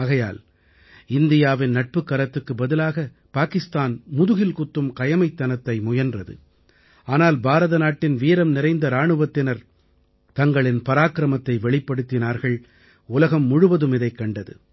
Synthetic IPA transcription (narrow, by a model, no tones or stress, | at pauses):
aːɣɐja̰ːl | ɪnd̪ɪjaːʋɪnːɐʈ̚pɯkːɐɾɐt̪ːɯkːɯbɐðɪlaːɣɐ | paːkɪst̪aːnmʊðʊɣɪlkʊt̪ːɯmkɐjɐmɐɪt̪ːɐnɐt̪ːɐɪmʊjɐndrɐðɯ̰ | aːnaːlbaːɾɐðɐnaːʈːɪnʋiːɾɐmnɪɾɐɪnd̪ɐɾaːɳɯʋɐt̪ːɪnɐɾ | t̪ɐŋɡɐɭɪnpɐɾaːkɪɾɐmɐt̪ːɐɪʋɛɭɪpːɐɽɯt̪ːɪnaːɾɣɐɭ | ʊlɐɣɐmːʊɻʊʋɐðɯmɪðɐɪkːɐɳɖɐðɯ̰